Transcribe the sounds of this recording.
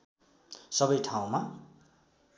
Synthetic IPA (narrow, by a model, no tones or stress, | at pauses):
sʌbʌjʈʰaw̃ma